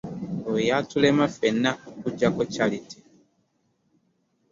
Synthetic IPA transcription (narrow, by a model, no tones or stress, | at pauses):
ojatulemafenːakuɟakocaliti̥